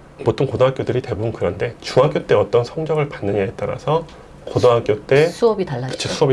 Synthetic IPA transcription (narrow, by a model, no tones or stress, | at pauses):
potʰoŋkodoɦak͈jodɯɾite̞bobɯnkɯɾʌnde̞t͡ɕuɦak͈jot͈e̞ʌt͈ʌnsʰʌŋd͡ʑʌɡɯɭpanːɯɲaɦet͈̚aɾa̰sʰʌ | kodoɦak͈jot͈e̞sʰuʌbitaːakɯ̥t͡ɕʰosʰuʌbi